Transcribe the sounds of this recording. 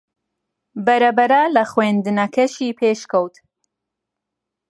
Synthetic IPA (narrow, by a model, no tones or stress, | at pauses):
bɐɾɐbɐɾaːlɐxwend̪ɨnɐkʰɐʃiːpʰeːʃkɐwt̪